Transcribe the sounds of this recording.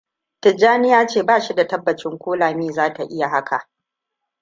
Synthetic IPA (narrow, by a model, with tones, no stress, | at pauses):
tɪ˨d͡ʒaː˦nɪ˦jaː˦t͡ʃeː˦˨baː˦˨ʃi˦da˨tɐ˦bːɐ˨t͡ʃɪ˦ŋkʷoː˦laː˨miː˦zaː˦ta˨ʔɪ˦ja˨ɦa˦kʰa˨ʔ